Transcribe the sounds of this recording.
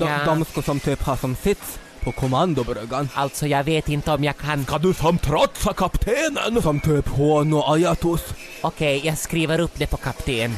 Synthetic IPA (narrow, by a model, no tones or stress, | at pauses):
d̪ɔad̪ɔmskɔsɔmt̪ʰyːphaʂɔmsɪt̪s | pʰɔkʰʊmand̪ʊbɾœɡanʔalt̪sɔjɑːɡveːt̪ɪnt̪əɔmjɑːkʰankʰand̪ɵsɔmt̪ʰɾɔt̪sakʰapt̪ʰeːnə̰nsɔmt̪ʰøːphoːnɔajat̪ʊs | ɔkʰɛjjɑːɡskɾiːvəɾɵpːd̪ɛpʰɔkʰapt̪ʰeːn